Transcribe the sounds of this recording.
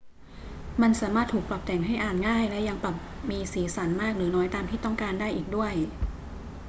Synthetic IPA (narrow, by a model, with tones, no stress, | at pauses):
ma˧nsaː˩˦maː˥˩t̪ʰuː˨˩k̚pla˨˩p̚t̪ɛː˨˩˦ŋɦa˥˩jʔaː˨˩nŋaː˥˩jlɛ˦˥ʔja˧ŋpa˨˩p̚miː˧siː˩˦sa˩˦nmaː˥˩k̚ɾɯː˩˦nɔː˨˦˥jt̪aː˧mt̪ʰiː˥˩t̪ɔ˥˩ŋkaː˧ndaː˥˩jʔiː˨˩k̚du˥˩əj